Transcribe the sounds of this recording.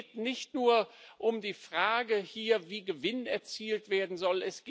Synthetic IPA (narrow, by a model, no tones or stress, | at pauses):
tnɪçtnuːɐʔʊmdiːfʁ̥aːɡəhiːɐviːɡəvɪnɛɐt͡siːltv̥eːɐdn̩zɔlɛsɡ̥